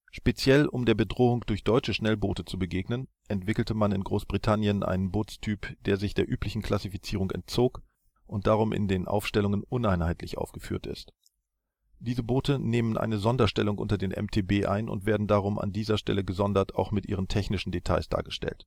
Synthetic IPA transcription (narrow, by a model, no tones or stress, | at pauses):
ʃpet͡sjɛlʊmdeːɐbədʁoːʊŋd̥ʊɐçd̥ɔʏt͡ʃəʃnɛlboːtət͡subəɡeːɡnən | ʔɛntv̥ɪkl̩təmanɪnɡʁoːsb̥ʁitʰanjənʔa̰ɪnənboːtt͡stʰyːpd̥eːɐzɪçd̥eːɐʔyːplɪçn̩kl̥asifit͡siːʁ̞ʊŋɛ̰nt̚t͡soːk | ʔʊnt̚d̥aːʁ̞ʊmʔɪ̰ndeːnʔa̰ʊfʃtɛlʊŋənʔʊnaɪnhaɪtlɪçʔa̰ʊfɡ̥əfyːɐtɪ̰st | d̥iːzəboːtəneːmənʔa̰ɪnəzɔndɐʃtɛlʊŋʔʊ̰ntɐdeːnʔɛ̰mtʰeːbeːʔa̰ɪnʊ̰ntv̥eːɐdn̩daːʁ̞ʊmʔa̰ndiːzɐʃtɛ̰ləɡəzɔndɐta̰ʊxmɪtʔiːʁ̞əntʰɛçnɪʃn̩detʰa̰ɪsd̥a̰ːɐɡəʃtɛ̰lt